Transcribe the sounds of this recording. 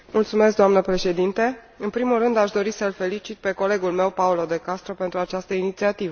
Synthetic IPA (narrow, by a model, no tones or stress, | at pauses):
mult̪sume̞s̬k̚d̪oamnəpɾe̞ʃe̞d̪int̪e | ɨnpɾimulrɨnd̪aʃd̪o̞ɾisəlfe̞lit͡ʃit̪̚pe̞ko̞le̞ɡulme̞wpaulo̞d̪e̞kast̪ɾope̞nt̪ɾuat͡ʃast̪əinit̪siat̪ivə